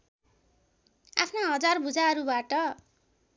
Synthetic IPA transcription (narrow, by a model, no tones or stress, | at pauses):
a̰pʰnaɦʌd͡zarbud͡zaɦʌɾubaʈʌ